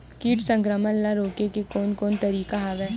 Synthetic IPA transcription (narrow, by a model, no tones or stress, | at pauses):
kiːʈsɐ̃ŋkɾəmənlaɾoːkekekoːnkoːnt̪ɐɾiːkaɦaʋɛː